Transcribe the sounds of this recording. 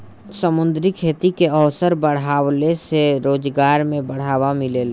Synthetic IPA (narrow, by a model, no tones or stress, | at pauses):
səmʊ̃nd̪ɾikʰeːt̪ikeəʋsəɾbəɽ̤aːwleseɾoːd͡ʒɡaːɾmẽbəɽ̤aːʋamɪlel